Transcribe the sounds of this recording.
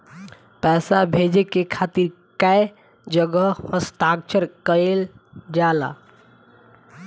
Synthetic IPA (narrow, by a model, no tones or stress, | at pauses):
pɛːsabʱeːd͡ʒekekʰaːt̪iɾ | kae | d͡ʒəɡəhəst̪aːk̚t͡ʃʰəɾkəel | d͡ʒaːla̰